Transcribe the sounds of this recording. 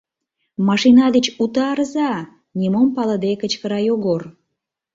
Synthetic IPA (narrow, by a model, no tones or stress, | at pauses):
mɑʃinɑd̪et͡ɕut̪ɑɾəzɑ | nʲimompɑlə̆d̪ekət͡ɕkəɾɑjoɣor